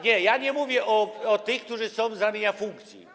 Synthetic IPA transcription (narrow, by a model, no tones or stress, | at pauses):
ɲɛjaɲɛmuvʲjɛʔɔɔt̪ɘxk̚t̪uʐɘsɔ̃w̃zamʲeɲafuŋkt̪sʲjḭ